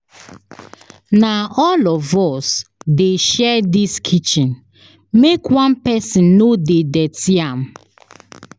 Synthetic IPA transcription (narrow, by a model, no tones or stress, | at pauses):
naɔlɔvɔsdeʃɛdiskʰit͡ʃĩn | mekwãnpɛsĩnːodedɛtiãm